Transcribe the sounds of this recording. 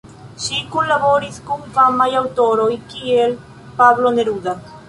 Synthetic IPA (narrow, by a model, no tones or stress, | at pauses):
ʃikulaβoɾiskuŋfamajawt̪oɾoikiel | paβloneɾuða